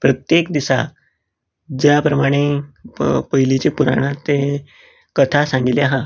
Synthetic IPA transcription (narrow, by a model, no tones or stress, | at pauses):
pɾət̪jekd̪isa̰ | d͡ʑjapɾəmaɽ̃e | pəɦilit͡ɕepuɾa̰ɽ̃ãt̪ːe | kət̪ʰasãŋɡiljaɦa